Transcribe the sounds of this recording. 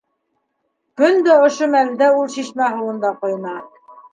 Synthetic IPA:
kɵnd̪æŏʃomæld̪ɘulˠʃiʃmæɦɤ̆wɤ̆nd̪ɑqŏjnɑ

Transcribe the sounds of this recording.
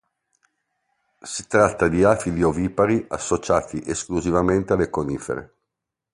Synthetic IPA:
sit̪ɾat̪ːad̪iafilioviːpaɾia̰sːot͡ʃaːt̪ʰiʔeskluzivament̪ealːekoniːfḛɾḛ

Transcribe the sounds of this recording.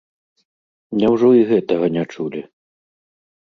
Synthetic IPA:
mnʲɛwʐɔiɣɛt̪ɐɣɐnʲat͡ʂulʲi

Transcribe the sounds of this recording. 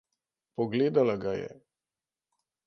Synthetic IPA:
pɔɡleːd̪alaɡajɛ̰

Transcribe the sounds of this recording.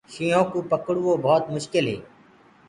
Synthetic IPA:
ʃiːõːkũːpəkɽuːoːbʱɔːt̪mʊʃkɪlɦḛː

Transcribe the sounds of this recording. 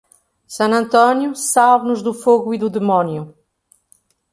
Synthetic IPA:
sɐ̃ɐ̃nt̪ɔnjusalβnuʒðufoɣuiðuðɨmɔnju

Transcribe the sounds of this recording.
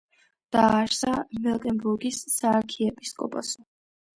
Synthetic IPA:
d̪̥aːʃsamɛlˠkʼɛmbuɾɡisːaːɾkʰiɛpʼiskʼɔpʼɔsɔ

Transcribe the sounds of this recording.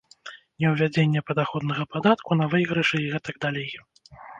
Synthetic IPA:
nʲɛwvʲad͡zʲenʲːɛpɐd̪axɔd̪nɐɣɐpad̪at̪kunɐvɨjɣɾɨʂɨiɣɛt̪ɐɡ̚d̪alʲej

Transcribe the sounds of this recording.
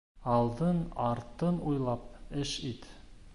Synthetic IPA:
ɑlˠd̪ɤnɑɾt̪ɤnujlˠɑp̚ɘʃit̪

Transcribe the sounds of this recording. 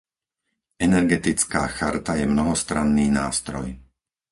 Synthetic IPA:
ɛnɛɾɡɛt̪it͡ska̰ːxaɾt̪ajɛmnɔɦɔst̪ɾanːiːnaːst̪ɾɔj

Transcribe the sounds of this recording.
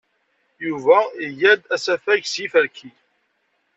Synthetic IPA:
juvæijæd̪æsæfæʝsjifəɾkʰi

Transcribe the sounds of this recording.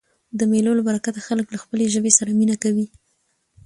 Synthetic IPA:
d̪əmelolabaɾakat̪axaləklaxpəleʒəbesaɾaminakawi

